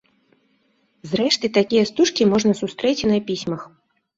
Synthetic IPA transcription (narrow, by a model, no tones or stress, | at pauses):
zɾɛʂt̪ɨt̪akʲijɐst̪uʂkʲimɔʐnɐsust̪ɾɛt͡sʲnɐpʲisʲmɐx